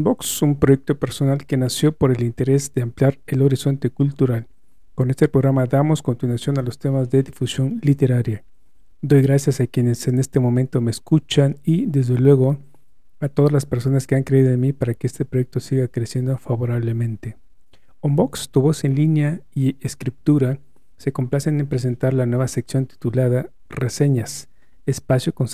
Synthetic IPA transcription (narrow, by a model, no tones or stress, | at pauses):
omboksumpɾo̞jek̚t̪o̞pe̞ɾso̞nalke̞nasjo̞po̞ɾe̞lint̪e̞ɾe̞zðeampljaɾelo̞ɾiso̞nt̪e̞kult̪uɾal | ko̞ne̞st̪epɾo̞ɣɾamaðamo̞sko̞nt̪inwasjo̞nalo̞st̪e̞mazðe̞ðifusjo̞nlit̪e̞ɾaɾja | d̪o̞jɣɾasjasakje̞ne̞se̞ne̞st̪e̞mõ̞mẽnt̪o̞meskut͡ʃanid̪e̞zðe̞lwe̞ɣo̞ | at̪o̞ðazlaspe̞ɾso̞naskeaŋkɾe̞iðo̞enmipaɾake̞est̪epɾojek̚t̪o̞siɣakɾesje̞nd̪ofaβo̞ɾaβle̞mẽ̞nt̪e | ombo̞kst̪uβo̞se̞nlinjaieskɾip̚t̪uɾa | se̞ko̞mplasenempɾe̞s̬e̞nt̪aɾlanwe̞βase̞ksjo̞nt̪i̥t̪ulaða | rese̞ɲas | espasjokons